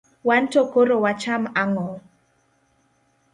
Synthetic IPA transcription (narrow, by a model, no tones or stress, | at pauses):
wantokoɾowat͡ʃamaŋɔ